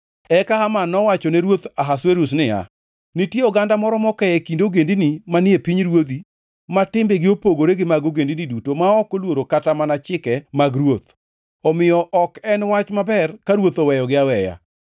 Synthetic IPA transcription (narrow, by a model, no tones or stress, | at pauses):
ɛkahamanːɔwat͡ʃɔnɛɾwot̪aɦasweɾus̬nɪa̰ | nɪtjeɔɡandamɔɾɔmɔkɛɛkindoɡendinimanɪepiɲɾwod̪i | matɪmbeɡɪopoɡoɾeɡɪmaɡoɡendinidutomaɔkolwoɾokatamanat͡ʃɪkɛmaɡɾwot̪ | ɔmɪjɔʔɔkɛnwat͡ʃmabɛrkaɾwot̪ɔwɛjɔɡɪawɛja̰